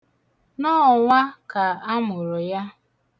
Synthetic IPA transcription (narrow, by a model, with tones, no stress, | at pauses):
nɔ˦ɔ˨ŋʷa˦ka˨a˦mʊ˨ɾʊ˨ja˦